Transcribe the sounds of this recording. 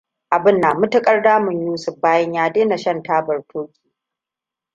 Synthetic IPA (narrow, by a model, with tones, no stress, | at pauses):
ʔa˨bɪ˦nːaː˨mʊ˦tɐ˦kʼɐ˦rdaː˦mʊ˨ɲjuː˦sʊ˨ɸbaː˦jɐ˦ɲjaː˦deː˦na˨ʃɐ˦ntaː˦bɐ˨rtʰʊː˦kʲʼi̥ː˨